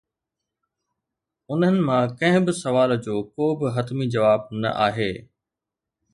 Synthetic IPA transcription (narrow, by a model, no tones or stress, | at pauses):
ʊn̤ənɪ̆mãkɐ̃ɦɪ̃bɪsɐʋaːld͡ʑoːkoːbɪɦɐt̪mid͡ʑɐʋaːb̚nɐ̰ʔa̰ːɦeː